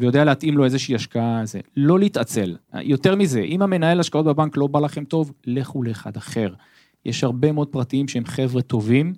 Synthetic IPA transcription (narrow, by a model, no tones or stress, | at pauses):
vejo̞d̪ealeat̪imlo̞ezeʃiːaʃkaazḛlo̞lit̪at͡se̞̰l̰jo̞t̪e̞ʁmize̞ʔimame̞naelaʃkao̞t̪̚bebanklo̞balaχe̞mt̪o̞vleχuleːχa̰d̪aχe̞ʁ | jeʃhaʁbe̞meo̞d̪̚pʁat̪iimʃeemχe̞vʁet̪o̞vim